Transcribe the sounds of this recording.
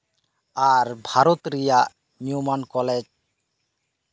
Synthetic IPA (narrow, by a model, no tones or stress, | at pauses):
aɾbʱaɾot̪ɾijaʔ | niumankɔled͡ʒ